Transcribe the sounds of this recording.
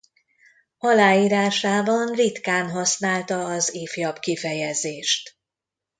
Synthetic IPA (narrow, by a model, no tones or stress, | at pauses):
ɒlaːjiːɾaːʃaːbɒnrit̪kaːnɦɒsnaːlt̪ɒːzeːfjɒbkifɛjɛzeːʃt̪